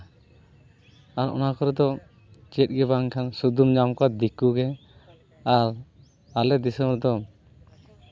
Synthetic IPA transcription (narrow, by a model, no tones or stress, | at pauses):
aɾɔ̰nakɔɾɛd̪ɔ | t͡ʃɛt̚ɡɛbaŋkʰansud̪umɲamkad̪ikuɡɛ | aɾ | alɛd̪isəmɾɔd̪ɔ